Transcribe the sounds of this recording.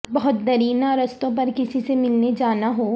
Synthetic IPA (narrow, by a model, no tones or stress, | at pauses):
bɐɦʊt̪̚d̪ɐɾiːnaɾɐst̪õp̬ɐɾkɪsisemɪlned͡ʒaːnaɦoː